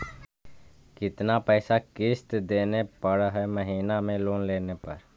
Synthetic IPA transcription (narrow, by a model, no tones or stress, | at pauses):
kɪt̪napɛːsakɪst̪d̪eːnepəɽɦɛməɦiːnamẽloːnleːnepɐ̰ɾ